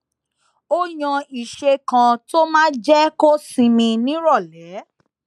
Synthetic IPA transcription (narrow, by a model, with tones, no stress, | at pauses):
o˦j̃ã˧i˨ʃe˧kã˧to˦mãː˦d͡ʒɛ˦ko˦sĩ˧mĩ˧nĩ˦ɾɔ˦˨lɛ˨˦